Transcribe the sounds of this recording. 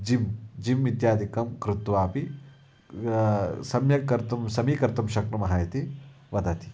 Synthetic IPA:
d͡ʒimd͡ʒimʋit̪jaːd̪ʱikɐmkɾut̪ʋaːpi | sɐmjɐkɐɾt̪ɐmsɐmiːkɐɾt̪ɐmʃɐkɾɐmɐɦaːjɐt̪i | ʋɐd̪ʱɐt̪i̥

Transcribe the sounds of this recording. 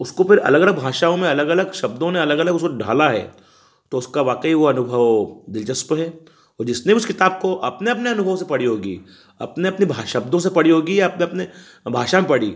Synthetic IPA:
ʊskopɪɾɐ̰ləɡɐləɡ̚bʱaːʃaːõmẽɐləɡɐləɡʃɐb̚d̪õneɐləɡɐləɡʊskoɖʱa̰ːlaɦɛ̰ː | t̪oʊskaʋaːkəiʋoɐnʊbʱəʋd̪ɪlt͡ʃɐspɦɛː | ɔːɾd͡ʒɪsnebiʊskɪt̪aːb̚koʔɐpneɐp̬neɐnʊbʱəʋsepɐɽiɦoːɡḭ | ɐ̰pneɐpnibʱaːʃɐb̚d̪õs̬epɐɽ̤iɦoːɡijaɐpneɐpne | bʱaːʃamẽpɐɽ̤ḭː

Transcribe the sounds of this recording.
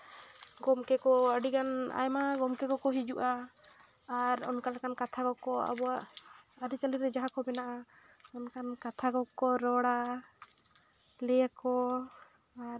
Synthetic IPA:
ɡɔmkɛkɔəɖikana̰jmaɡɔmkɛɡɔkɔɦid͡ʒuʔaː | ɾɔ̰nkalakankat̪ʰaɡɔkɔa̰bɔwaʔaɾit͡ʃaliɾɛd͡ʒaɦakɔbɛnaʔa | ɔnkankat̪ʰaɡɔkɔɾɔɽa | lɛjakɔ | aɾ

